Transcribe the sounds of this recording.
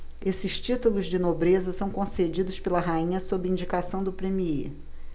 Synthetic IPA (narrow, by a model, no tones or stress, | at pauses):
esɪʃt͡ʃit̪ulʊzd͡ʒɪnobɾezɐsɐ̃w̃kõsed͡ʒid̪ʊspelɐɦaĩɲɐsobɾɪĩɲd͡ʒikasɐ̃w̃d̪ʊpɾemii